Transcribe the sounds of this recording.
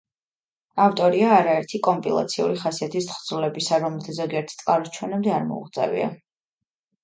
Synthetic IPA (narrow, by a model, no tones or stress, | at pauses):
aft̪ʼɔɾiaːɾaɛɾt̪ʰikʼɔmpʼʰilˠa̰t̪sʰiṵɾiχasiat̪ʰist̪χd̪zulɛbisaɾɔmɛlˠt̪ʰazɔɡiɛɾt̪ʰt̪sʼqʼaɾɔst͡ʃʰwɛnɛmd̪ɛaɾmɔ̰ṵʁt̪sʼɛ̰vḭa̰